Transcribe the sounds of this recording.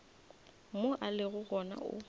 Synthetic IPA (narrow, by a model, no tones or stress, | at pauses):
moʔalɪɣʊɣɔna̰ʔʊ̰